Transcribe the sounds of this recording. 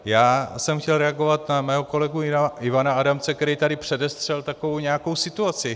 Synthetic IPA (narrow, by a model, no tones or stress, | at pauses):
jaːsɛmxcɛlɾɛaɡo̞vat̪namɛːɦo̞ko̞lɛɡuɪaɪvanaadamt͡sɛkt̪ɛɾɛjt̪adɪpr̝̥ɛdɛst̪r̥ɛlt̪akovowɲɛako̞wsɪt̪uat͡sɪ